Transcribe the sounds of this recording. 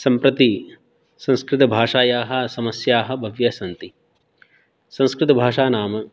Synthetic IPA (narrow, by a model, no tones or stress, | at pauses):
sɐmpɾɐt̪i | sɐ̃nskɾɪt̪ɐbʱaːʂaːjaːɦɐ̆sɐmɐsjaːɦɐ̆bʱɐʋjɐsɐnt̪i | sɐ̃nskɾɪt̪ɐbʱaːʂaːnaːmɐ